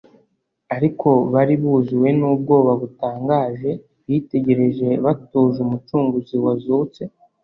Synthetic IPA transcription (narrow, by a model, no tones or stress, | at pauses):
aɾikʰo̞βaɾiβuːzuwe̞nuːb̚ɡo̞ːβaβutaːŋɡaːʒe̞ | βite̞ɟe̞ɾe̞ʒe̞βatuːzumut͡ʃuːŋɡuziwazut͡se̞